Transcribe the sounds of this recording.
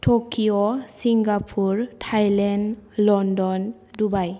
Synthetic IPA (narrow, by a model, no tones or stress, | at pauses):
tʰokiɔsiŋɡapʰuɹtʰajlɛnlɔndɔn | dubaj